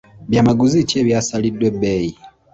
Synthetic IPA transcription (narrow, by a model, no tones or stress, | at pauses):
βjamaɡuziceːβjasalidwe̞beji